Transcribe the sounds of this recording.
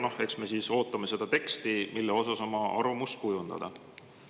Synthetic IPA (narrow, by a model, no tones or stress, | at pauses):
nohe̞ksme̞siːso̞ːt̪ːˑɑme̞se̞d̪̥ɑt̪e̞kst̪imilːeo̞sɑso̞mɑʔɑrvɑmust̪̚kujund̪̥ɑ̰d̪̥ɑ̰